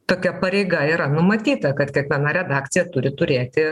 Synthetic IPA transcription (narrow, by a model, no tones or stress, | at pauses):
t̪oːkʲɛpɐɾʲɛɪɡɐiːɾɐnʊmɐt̪ʲiːt̪ɐkɐt̪kʲiɛkʋʲiɛnɐɾʲɛd̪ɑːkt̪sʲɪjɛt̪ʊɾʲɪt̪ʊɾʲeːt̪ʲɪ